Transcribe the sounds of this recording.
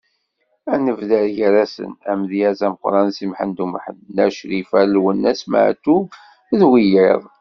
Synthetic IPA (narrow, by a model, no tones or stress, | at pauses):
ænəvðæɾʝəɾæsə̰næmðjæzæməqɾˤɑnsimħənd̪umħə̰nːæʃɾifællwənːæsma̰ʕ̰t̪ːub | ðwijeðˤ